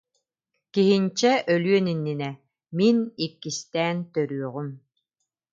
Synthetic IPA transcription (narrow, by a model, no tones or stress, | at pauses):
kiɦint͡ɕɛʔœlyœninːinɛ | minikːist̪ɛːnt̪œɾyœʁym